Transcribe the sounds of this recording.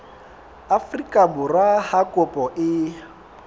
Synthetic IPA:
afrikʼabʊrwahakʼʊpʼɔʔɪ

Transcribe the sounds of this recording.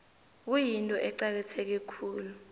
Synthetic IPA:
k̬ujintʼɔʔɛǀak̬ɛtʰɛk̬ɛkʰuːlu

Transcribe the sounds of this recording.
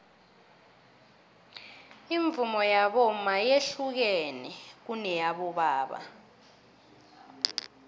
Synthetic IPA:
iɱb̪vumɔjaɓɔmajeɬuk̬ɛnɛk̬unɛjaɓɔɓaːɓa̰

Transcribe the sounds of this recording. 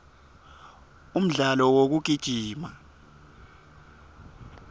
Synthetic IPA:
um̩ɮalɔwok̬uɡ̥̬ʱid̥ʒ̥ʱiːma

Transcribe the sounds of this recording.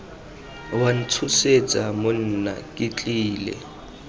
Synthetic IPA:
wan̩t͡sʰuset͡sʼamʊn̩na̰kʼɪt͡ɬʼiːlɛ̰

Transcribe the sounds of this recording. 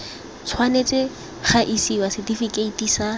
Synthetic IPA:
t͡sʰwanet͡sʼɪ | χaʔisiwasɪdifikʼeitʼiːsa

